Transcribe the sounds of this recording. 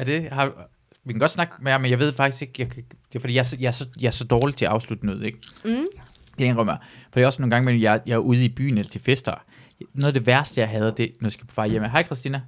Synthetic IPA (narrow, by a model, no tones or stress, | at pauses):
æd̥e̝hɑ̈ | ʋikʰæɡɒ̽d̥snɑ̈ɡ̥meɐmenjɑ̈ɪʋe̝ð̞̰ˠfɑɡ̥isɡ̥e̝ɡ̥jɑ̈kʰd̥efd̥ḭːjɑ̈æɐsjɑ̈æɐsɒ̽jɑ̈æɐsɒ̽d̥ɒːlit͡sʰe̝æɑ̈ʊslud̥ənøːð̞̩ˠeɡ̥̚ | d̥enʁɶm̰ɐfɒd̥ḭːɒsnoːn̩ɡɑ̈ŋmejɑɐjɑ̈æɐʔuð̞ˠib̥y̰ːn̩elɐt͡sʰe̝lfesd̥ɐ | noːðˠɐd̥e̝ʋæɐsd̥əjɑ̈ɪɦɛð̞ˠd̥e̝nɒjɑ̈sɡ̥æ̥pʰɒ̥fɑ̈ɪjem̰əɦɑ̈ɪ̰kʰʁɛsd̥iːnæ